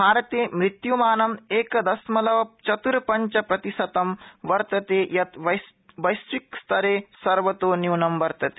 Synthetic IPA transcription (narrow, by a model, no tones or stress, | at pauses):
bʱaːɾɐt̪eːmɾit̪jumaːnɐmeːkɐd̪ɐsmɐlɐʋɐt͡ʃɐt̪uɾɐpɐɲt͡ʃɐpɾɐt̪isɐt̪ɐmʋɐɾt̪ɐt̪eːjɐt̪ɐ | ʋɐjsʋikst̪ʰɐɾeːsɐɾʋɐt̪oːnjuːnɐmʋɐɾt̪ɐt̪eː